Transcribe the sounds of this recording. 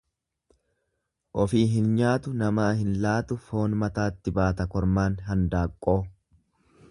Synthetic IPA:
ʔɔfiːɦɪnɲaːt̪ʊnɐmaːhɪnlaːt̪ʊfo̞ːnmɐt̪aːt̪ːɪbaːt̪ɐkɔɾmaːnɦɐnd̪aːkʼːo̞ː

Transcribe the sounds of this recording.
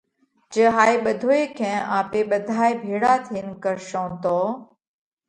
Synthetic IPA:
d͡ʒəɦaːeːɓəd̪ʱoːeːkʰɛ̃ːʔaːpeːɓəd̪ʱaːebʱeːɽaːt̪ʰiːnkəɾʃõːt̪oː

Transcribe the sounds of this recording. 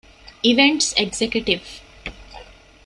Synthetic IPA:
iʋẽɳʈseɡsekjuʈiʋ

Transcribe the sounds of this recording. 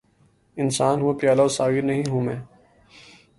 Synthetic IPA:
ɪnsaːnɦuapjaːlaosaːɡɪɾnɐɦĩɦuːmẽː

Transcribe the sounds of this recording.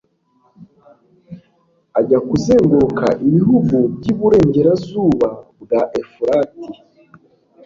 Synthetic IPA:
aɟakuzeːŋɡuɾoka̰ʔiβiɦuɡubɟiβuɾe̞ːɲɟe̞ɾazuːβabɡaʔefuɾati

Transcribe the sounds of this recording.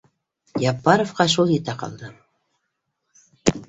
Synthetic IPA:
jɑpːɑɾofqɑʃ̬ulˠjɘt̪æqɑ̰lˠd̪ɤ

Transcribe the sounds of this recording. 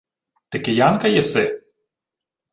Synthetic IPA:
t̪ekɪjɑnkɐjɛsɪ

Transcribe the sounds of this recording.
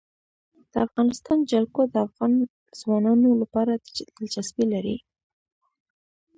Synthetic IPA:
d̪̥əafɣɑnɪst̪ɑnd͡ʒalkod̪əafɣɑn | z̥wɑnɑnolapɑɾad̪əld͡ʒasbilaɾḭ

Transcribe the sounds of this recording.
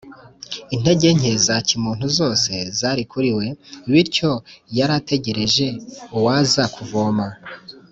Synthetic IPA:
in̥e̞ɟe̞ɲe̞zacimuːn̥huzo̞ːse̞zaːɾikʰuɾiwe̞iβiɾco̞jaɾate̞ɟe̞ɾe̞ʒe̞uwazakʰuvo̞ːma

